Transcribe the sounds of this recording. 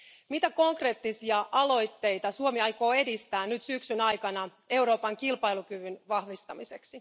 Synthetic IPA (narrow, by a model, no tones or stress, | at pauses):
mit̪æko̞ŋkre̞ːt̪ːisiɑʔɑlo̞jt̪ːe̞jt̪ɑsuomiɑjko̞ːe̞dist̪æːnyt̪syksynɑjkɑnɑ | e̞wɾo̞ːpɑŋkilpɑjlukyʋynʋɑhʋist̪ɑmise̞ksi